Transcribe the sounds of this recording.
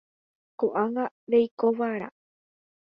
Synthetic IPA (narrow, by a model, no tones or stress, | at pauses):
koʔaŋɡa | ɾejkoʋaɾa̰